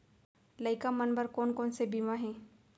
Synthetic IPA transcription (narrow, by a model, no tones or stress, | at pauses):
lɐɪkamənbəɾkɔːnkɔːnsebimaɦɛ̃ː